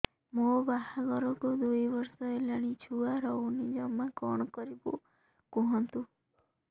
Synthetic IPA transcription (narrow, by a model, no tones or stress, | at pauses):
mobahaɡɔɾɔkud̪ujbɔɾsɔelaɽ̃it͡ʃʰuaɾɔwnid͡ʒɔmakɔɽ̃ɔkɔɾibṵ | kuɦɔnt̪u